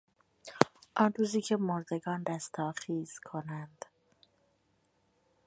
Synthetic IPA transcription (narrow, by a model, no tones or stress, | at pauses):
ʔɒːnruːziːcʰe̞moɾd̪e̞ɡɒːnd̪æst̪ʰɒːχiːz̥kʰo̞nænd̪̥